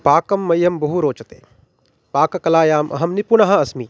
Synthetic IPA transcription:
paːkɐmːɐjːɐmbɐɦuɾoːt͡ʃɐt̪ḛː | paːkɐkɐlaːjaːmʔɐ̰ɦɐmnipunɐɦɐ̃ɐsmiː

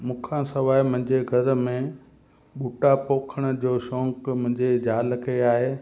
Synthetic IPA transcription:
mũːkʰãsɐʋaːimʊ̃ɦɪ̃ɲd͡ʑeɡʱɐɾ̆mẽ | ɓuʈapoːkʰəɽ̃ə̆d͡ʑoːʃɔ̃ːŋkmʊ̃ɦɪ̃ɲd͡ʑed͡ʑaːlkʰeaːɦeː

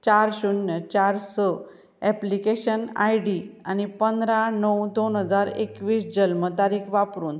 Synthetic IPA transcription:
t͡ɕaɾɕunjət͡ɕaɾsə | ɛplikeɕəna̰jɽiañipənd̪ɾanəwd̪onɦəd͡zaɾekʋiːsd͡ʑəlmət̪aɾiːkʰʋapɾuːn

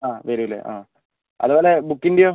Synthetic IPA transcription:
aːʋɐɾuɐlːḛʔa̰ː | ɐ̰ðubo̞ːle̞bukːindijoː

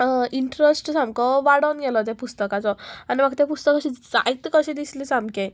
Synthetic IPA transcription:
iɳʈɾesʈsãmbkɔʋaɽɔnɡɛlɔt̪̬ɛpust̪əkat͡sɔanim̤aɡt̪ɛ̃pust̪əkɕid͡zait̪kəɕed̪islisãmbkẽ

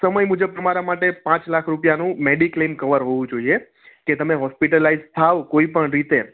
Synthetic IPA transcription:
səməjmũd͡ʒəb̚t̪əmaɾamaʈepãt͡ʃlakʰɾupjanũmeɖiklemkəʋəɾɦoʋũd͡ʒoie | ket̪əmeɦɔspiʈəlaid͡ʒt̪ʰaʋkoipəɳɾit̪e

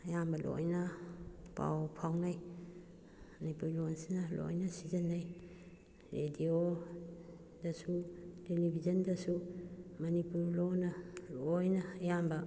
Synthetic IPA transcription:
jambɐlʔo̰jnɐpa̰wpʰawnaj | mɐnipuɾlonsinɐlo̰jnɐsizanːaj | ɾedio | dɐsutelibʱizɐndɐsumɐnipuɾlonɐlojnɐjambɐ

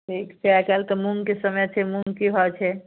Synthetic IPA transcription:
ʈʰiːkt͡ʃʰɛakalkemuŋɡkesəmɛt͡ʃʰɛmuŋɡkiɦɔt͡ʃʰɛ

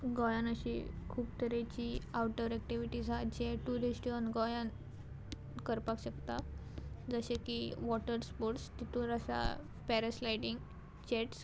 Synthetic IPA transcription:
ɡɔjanəɕḭkʰuːpt̪əɾat͡ɕiawʈəɾɛk̚ʈiʋiʈid͡zʱad͡ʑeʈuɾeɕʈiənɡɔjãn | kəɾpakɕəkt̪a | d͡zəɕekiʋɔʈəɾspoɾʈst̪it̪uːɾəsa̰ | pɛɾeslajʈiŋɡ | t͡ɕeʈs

